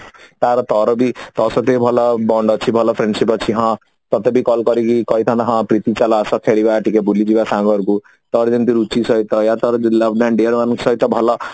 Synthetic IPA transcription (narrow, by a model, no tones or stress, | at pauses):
t̪aɾɔt̪ɔɾɔbit̪ɔsɔt̪ebʱɔlɔbɔɳɖɔt͡sʰibʱɔlɔpʰɾeɳɖsipɔt͡sʰiɦɔ̃ | t̪ɔt̪ebikɔlkʌɾikikɔit̪ʰand̪aɦɔ̃pɾit̪it͡ʃalɔsɔkʰeɽibaʈikebʱulid͡ʒibasaŋɡɔɾuku | t̪ɔɾɔd͡ʒʌnt̪iɾut͡ʃisʌit̪ɔjat̪ɔɾɔlʌbʰɖanɖeɾwanksʌɦit̪ɔbʱɔlɔ